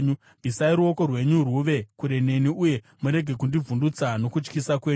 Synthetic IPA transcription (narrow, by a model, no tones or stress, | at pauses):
ɲu | b̥ʱisaiɾuoko̞rwe̞ɲuruʋe̞kuɾe̞ne̞niuje̞ | muɾe̞ɡʱekundivundut͡sano̞kut͡ʃkisakwe̞ːɲu